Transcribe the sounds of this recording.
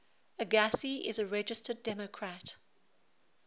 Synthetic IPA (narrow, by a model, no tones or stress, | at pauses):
əɡasiɪ̰zəɹɛd͡ʒɪstədɛməkʰɹat